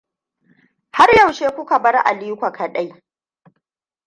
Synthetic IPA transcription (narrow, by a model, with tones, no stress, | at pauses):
ha˦rja˦˨wʃeː˦kʷʊ˦ka˨bɐ˦rʔa̰˨liː˦kʷa˨kʰɐ˨ɗa˦j